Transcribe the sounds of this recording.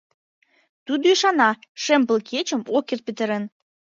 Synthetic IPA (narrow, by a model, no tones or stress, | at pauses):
t̪ud̪oiʃɑnɑʃempə̆lkʰet͡ɕəmokert̪̚pət̪əɾə̆n